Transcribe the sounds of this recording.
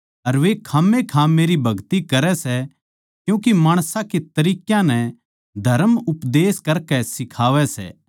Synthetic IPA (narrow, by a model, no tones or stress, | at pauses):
ɐɾʋekʰaːmekʰãːeːɾibʱɐɡt̪ikɐɾɛsɛ | kjũːkimaːɽ̃sãket̪ɐɾiːkjãnɛ | d̪ʱɐɾəmʊpd̪eːskɐɾkɛsɪkʰaːʋɛsɛ̰ː